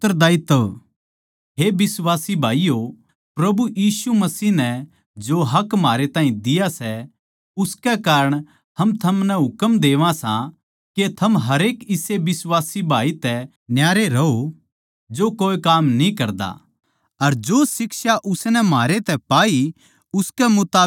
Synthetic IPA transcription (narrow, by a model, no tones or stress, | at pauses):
t̪ːəɾd̪aːɪt̪ːə | ɦebɪswaːsibʱaːijo | pɾɐbujiːsumɐsiːɦnɛ | d͡ʒoɦɐkmaːɾet̪ãːĩd̪ɪjasɛ | ʊskɛkaːɾəɽ̃ | ɦɐmt̪ʰɐmnɛɦʊkəmd̪eːʋãsã | ket̪ʰɐmɦɐɾeːkɪseʋɪsʋaːsibʱaːit̪ɛ | njaːɾeɾɐɦo | d͡ʒokoːekaːmnĩkɐɾd̪a̰ | ɐɾd͡ʒoːsɪkʃaʔʊsnɛmɦaːɾet̪ɛpaːi | ʊskɛmʊt̪aː